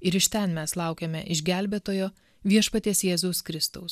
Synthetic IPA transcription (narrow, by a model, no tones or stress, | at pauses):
ɪɾɪʃʲt̪ʲɛnmʲɛslˠɑʊkʲemʲɛʔɪʒʲɡʲæˑlʲbʲeːt̪oːjoː | ʋʲiɛʃpɐt̪ʲeːsjeːzoʊskɾʲɪst̪ʊʊs